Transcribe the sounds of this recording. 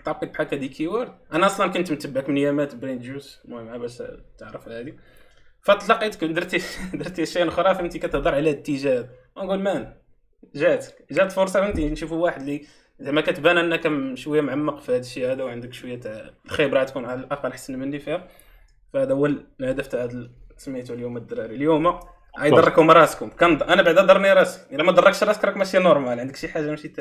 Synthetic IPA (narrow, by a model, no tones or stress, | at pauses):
t̪ʕɑqːit̪̚bħakːæd̪ikʰiwɑɾd̪ʔænæʔɑsˤlɑnkʊnt̪mt̪əbʕakmnjæmæt̪bɾind̪ʒuznuʕmʕabæʃt̪əʕɾəflhæd̪i | fæt̪ˤlɑqit̪ə̥knd̪əɾt̪id̪əɾˤt̪iæʃːiʔnʔxɾˤɑfʔənt̪ikæt̪əhd̪ɑɾˤʕalæhd̪t̪ːiʒæd̪ | ænɡulmæn | ʒæt̪ə̥kʒæt̪fʊɾˤsˤɑfʔənt̪inʃufuwaħəd̪li | zæmækæt̪bænʔənːækæʃwəjːæmʕamːɑqfihæd̪əʃːiːhæd̪æwʕənd̪əkʃwəjːæt̪lxebɾˤɑat̪kunʕalʔɑqɑlħḁsːnmənːifihæ | fiæd̪ʔəwːəllhæd̪əft̪aʕd̪lsmːit̪uljuməd̪ːɾˤɑɾiljumæ | ʕajd̪ɑrˤkʊmɑɾˤɑskʊmkænd̪ʔænæbaʕd̪æd̪ˤɑrˤniɾˤɑsə̥ʔəlːæmæt̪d̪ˤɑrˤːɑk̚ʃɾˤɑskɾˤɑkmæʃijːænoɾˤmælʕənd̪əkʃiħaʒːamæʃit̪ː